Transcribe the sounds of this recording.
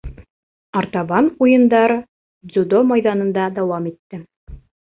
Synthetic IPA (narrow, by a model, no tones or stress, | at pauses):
ɑɾt̪ɑβɑnujɤ̆nd̪ɑɾ | zud̪omɑjðɑnɤ̆nd̪ɑd̪ɑwɑmit̪ːɘ